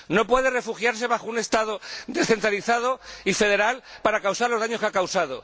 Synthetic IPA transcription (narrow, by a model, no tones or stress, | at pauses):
no̞pwe̞ðe̞re̞fuxjaɾs̬e̞βaxoune̞st̪aðoðe̞sθe̞nt̪ɾaliθað̞o̞ife̞ð̞e̞ɾalpaɾakawsaɾlo̞zðaɲo̞skakawsaðo̰